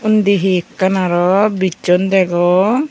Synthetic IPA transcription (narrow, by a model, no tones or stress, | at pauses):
und̪iɦikːanaɾɔbit͡ʃɔnd̪ɛɡɔ